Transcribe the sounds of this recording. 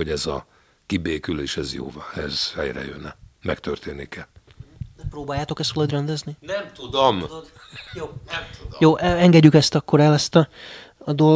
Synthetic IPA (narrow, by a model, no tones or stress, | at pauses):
hoɟɛzɒ | kibeːkyleːʃɛzjo̰ːvɒɛz̥hɛ̰jrɛ̰jønɛmɛkt̪ørt̪eːnːikɛnɛproːbaːjːaːt̪o̞kɛst̪ʋɒlod̪rɛnd̪ɛzninɛmt̪ud̪omd̪ | joːɛujoːʔɛŋɡɛɟːykɛst̪ɒkːoɾɛlɛst̪ɒɒd̪ol